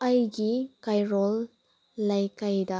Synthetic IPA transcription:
ɐjɡikajɾɔlː | ɐjkajdɐ

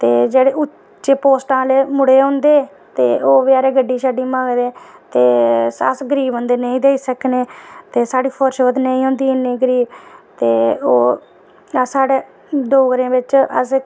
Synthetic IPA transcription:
t̪eːd͡ʒeːɽeːʊ | t͡ʃeːpoːsʈãːleːmʊɽeːõːnd̪eː | t̪eːʔoːʋɪjaːɾeːɡəɖːiːʃaːɖiːmãːɡd̪eːt̪eːə̰sɡəɾiːbɦõːnd̪eːnəĩːd̪eːiːsəkneːt̪eːsaːɽiːpʰoːɾʃʋət̪nəĩːɦõːnd̪iːɪnẽːɡəɾiːbt̪eːoː | saːɽeː | ɖoːɡɾẽːʋɪt͡ʃəs

